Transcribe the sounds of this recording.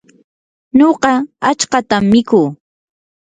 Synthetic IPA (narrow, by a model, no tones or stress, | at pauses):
ɲoɢɑat͡ʃkɑt̪amːɪkuː